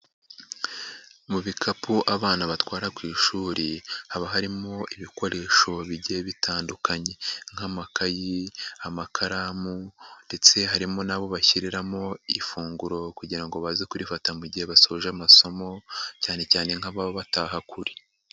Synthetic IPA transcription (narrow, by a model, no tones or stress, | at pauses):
muβikʰapuʔaβaːnaβatwaːɾakwiːʃuːɾihaβaɦaɾimo̞ʔiβiko̞ɾe̞ːʃo̞βiɟeβitaːndukaɲe̞ŋ̥hamakajiamakʰaɾamunde̞t͡se̞ɦaɾimo̞naβo̞βaçiɾiɾamo̞ifuːŋɡuɾo̞kuɟiɾaŋɡo̞βazekuɾifatamuɟihe̞βasoʒamaso̞mo̞caːne̞caːne̞ŋhaβaβoβataɦakuɾi̥